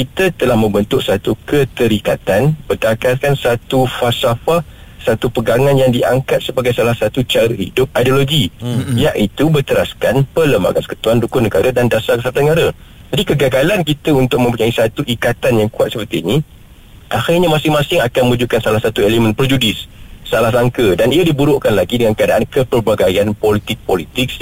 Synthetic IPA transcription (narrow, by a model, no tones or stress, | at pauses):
kit̪ət̪əlahmə̃mbənt̪ʊʔsat̪ukət̪əɾikat̪anbərdakarkansat̪ufasafah | sat̪upəɡaŋãnjaŋdia̰ŋkat̪̚səbaɡajsalahsat̪ut͡ʃaɾəhḭdʊp̚ajdoloɡijaʔit̪ubərt̪əɾaskanpələmba̰ɡa̰nsə̥kə̥t̪uandukʊnəɡa̰ɾadandasaksat̪anəɡaɾa | d͡ʒadikəɡaɡalankit̪əunt̪ʊk̚məmpuɲaisat̪uʔikat̪anjaŋkuat̪səpərt̪inĩ | ʔaxirɲamãsɪŋmãsɪŋakanməud͡ʒukansalahsat̪uelemə̃npɾɛd͡ʒudɪsːalahsaŋkədaniədibuɾʊʔkanlaɡidəŋankəadaʔankəpərbaɡajanpolit̪ɪk̚polit̪ɪk̚